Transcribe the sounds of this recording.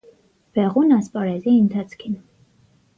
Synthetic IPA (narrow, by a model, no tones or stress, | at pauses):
b̥ɛʁunɑspʼɑɾɛziənt̪ʰɑt͡sʰkʰin